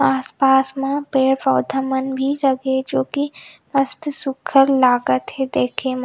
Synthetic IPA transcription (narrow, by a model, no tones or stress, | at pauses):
aːspaːsmãpeːɽpɔːd̪ʱəmənbʱiɾɐɡed͡ʒoːki | ɐst̪sʊkʰəɾlaːɡət̪ɦed̪eːkʰem